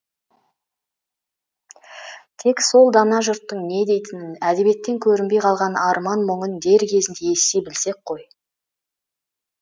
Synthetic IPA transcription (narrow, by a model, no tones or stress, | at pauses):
t̪ʰe̞kso̞lˠd̪ɑnɑʒʊɾt̪ːəɴne̞d̪e̞jt̪ɪnɪnæd̪e̞bije̞t̪ːe̞ŋkʲʰɵɾɪnbe̞jqʰɑlˠʁɑnɑɾmɑnmʊɴənd̪e̞ɾkʲʰe̞zɪnd̪e̞esejbɪlse̞k̚qʰːo̞j